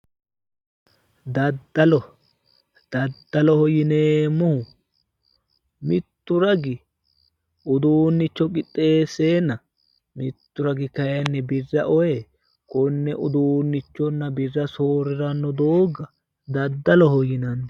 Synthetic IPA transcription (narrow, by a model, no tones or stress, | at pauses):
d̪ɐd̪ːɐlɔ | d̪̥ɐd̪ːɐlɔhɔjɪneːmɔhʊ | mɪt̪ːʊɾɐɡɪ | ʊd̪uːnːɪt͡ʃːɔkʼɪt̪ʼːe̞ːseːnːɐ | mɪt̪ːʊɾɐɡɪkɐjɐnːɛbɪrːɐʔɔjɛ | kɔnːɛʔʊd̪uːnːɪt͡ʃːɔnːɐbɪrːɐsoːɾɪɾɐnːɔd̪oːɡɐ | d̪ɐd̪ːɐlɔhɔjɪnɐnːɔ